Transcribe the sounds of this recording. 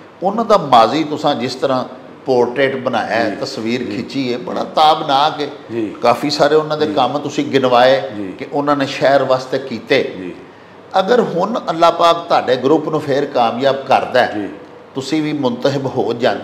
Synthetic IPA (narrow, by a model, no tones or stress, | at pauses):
ʊnãːd̪aːmaːziːt̪ʊsãːd͡ʒɪst̪əɾãː | poːɾʈɾeːʈbəna̰ːjaːt̪əsʋiːɾkʰɪt͡ʃiːeːbəɽ̃ã̰ːt̪aːbnaːkeːkaːpʰiːsaːɾeːʊnãːd̪eːkəmːt̪ʊsĩːɡɪnʋaːeːd͡ʒkɪʔʊnãːneːʃɛːɾʋaːst̪eːkiːt̪eː | əɡəɾɦʊnəlːaːpaːk̚t̪oaːɖeːɡɾʊpnũːpʰeːɾkaːmjaːb̚kəɾd̪aːɛː | t̪ʊsĩːʋiːmʊnt̪əɦɪbɦoːd͡ʒaːnː